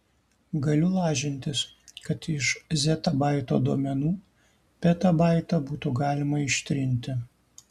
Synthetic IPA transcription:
ɡɐlʲʊlˠɑːʒʲɪnʲt̪ʲɪskɐt̪ɪʃzʲɛt̪ɐbɑˑɪt̪o̰ːd̪oɔmʲɛnuː | pʲɛt̪ɐbɑˑɪt̪ɐbuːt̪uɡɑːlʲɪmɐɪʃʲt̪ʲɾʲɪnʲt̪ʲɪ

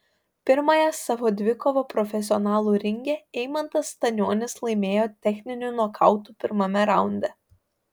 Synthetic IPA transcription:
pʲɪɾmɐjɛsɑːʋoːd̪ʲʋʲɪkɔʋoːpɾɔfʲɛs̬ʲɪɔnɑːlˠuːɾʲɪŋʲɡʲɛɛɪmɐnt̪ɐst̪ɐnʲoːnʲɪslˠɐɪmʲeːjoːt̪ʲɛxʲnʲɪnʲunuɔkʰɑˑʊt̪uːpʲɪɾmɐmʲɛɾɑˑʊnʲd̪ʲɛ

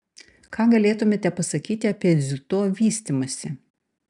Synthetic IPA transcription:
kʰɑːɡɐlʲeːt̪ʊmʲeːt̪ʲɛpɐsɐkʲiːt̪ʲɪɐpʲiɛd̪zʲʊt̪oːʋʲiːsʲt̪ʲimɐsʲɪ

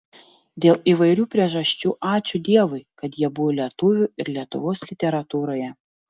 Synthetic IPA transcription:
d̪ʲeːlˠiːˑʋɐɪɾʲuːpʲɾʲiɛʒɐʃʲt͡ʃʲuːʔɑːt͡ʃʲʊd̪ʲiɛʋʊɪkɐt̪jiɛbʊʋoːlʲiɛt̪ʊʋʲʊːˑɪɾlʲiɛt̪ʊ̰ʋoːslʲɪt̪ʲɛɾɐt̪uːɾoːjɛ

